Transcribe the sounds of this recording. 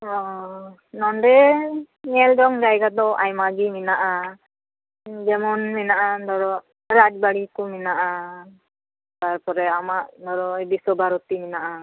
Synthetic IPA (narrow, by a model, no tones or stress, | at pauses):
ɔ | nɔnɖɛ | ɲɛld͡ʒɔŋd͡ʒajɡad̪ɔʔajmaɡiminaʔa | d͡ʒɛmɔnminaʔad̪ɔɾɔ | ɾad͡ʒbaɽikuminaʔa | t̪aɾpɔɾɛamaʔd̪ɔɾɔɛbisɔbʱaɾɔt̪iminaʔa